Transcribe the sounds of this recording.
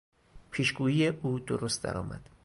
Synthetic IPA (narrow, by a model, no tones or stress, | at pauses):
pʰiːʃɡuːjiːjeʔuːd̪oɾost̪̚d̪æ̰ɾɒ̰ːmʔæ̰d̪̥